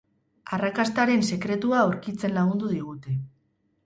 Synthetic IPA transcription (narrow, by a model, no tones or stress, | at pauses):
arakast̪aɾe̞nse̞kɾe̞t̪uaoɾkit͡se̞nlaɣund̪uðiɣ̞ut̪e̞